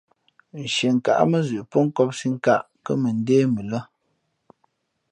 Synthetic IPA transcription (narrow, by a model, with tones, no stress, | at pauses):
n̩˨ʃe˨ŋ̩˨ka̰˨ʔmə˦zʉ˨ʔpɔ˦ŋ̩˦kɔ˦p̚si˦ŋ̩˦ka˦˨ʔ | kə˦mə˨n̩˦deː˦mə˨lə˦